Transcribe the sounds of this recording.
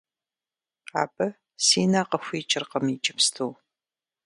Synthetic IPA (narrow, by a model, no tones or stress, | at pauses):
a̰ːbʼɐ | siːnaːqɐxʷiːt͡ʃʼɪrqɐmit͡ʃʼɪpstʰow